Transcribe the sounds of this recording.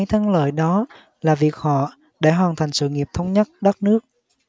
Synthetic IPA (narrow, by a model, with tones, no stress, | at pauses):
jt̪ʰə˧ŋlə̰ː˧˨jɗɔ˨˦ | laː˨˩vi˨˩ək̚hɔ̰˧˨ | ɗe˧˩ɦwaː˨˩nt̪ʰa˨˩ŋ̟sɨ̰˧˨ŋi˨˩əp̚t̪ʰə˧wŋ͡mɲə˦˥t̚ɗə˦˥t̚nɨ˦˥ək̚